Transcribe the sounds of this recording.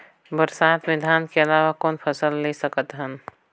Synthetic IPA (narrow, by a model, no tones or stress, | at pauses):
bəɾsaːt̪mɪd̪ʱaːnkeɐlaːʋakɔːnpʰəsəlːesəkət̪ɦən